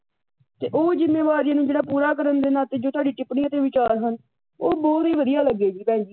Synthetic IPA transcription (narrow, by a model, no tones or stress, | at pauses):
t̪eːʔoːd͡ʒɪnːeːʋaːɾijnũːd͡ʒeːɽaːpuːɾaːkəɾənd̪eːnaːt̪eːd͡ʒoːt̪oʊaːɖiːʈɪpɽĩːət̪eːʋɪt͡ʃaːɾɦən | oːbɔːt̪iːʋəd̪ɪjaːləɡːeːd͡ʒiːpɛ̃ːd͡ʒiː